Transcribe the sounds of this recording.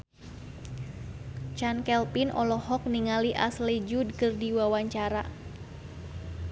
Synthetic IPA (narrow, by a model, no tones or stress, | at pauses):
t͡ʃankɛlpinʔɔ̰lɔhɔk̚niŋaliʔaslid͡ʒudkɨrdiwawaɲt͡ʃaɾa